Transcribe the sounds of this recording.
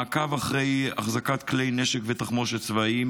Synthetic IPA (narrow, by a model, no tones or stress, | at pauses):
akavaχʁe̞ja̰χzakat̪klejneʃekvet̪aχmoʃet͡svaim